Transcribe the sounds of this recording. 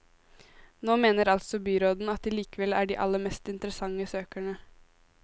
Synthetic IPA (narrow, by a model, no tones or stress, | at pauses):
noːmeːnəɾɑlt̪sɔbyːɾoːd̪n̩ɑt̪̚ɪliːkəʋɛlæːɖiːʔɑ̰lːəɾmɛst̪ɪnt̪əɾəsɑŋːəsøːkæɳə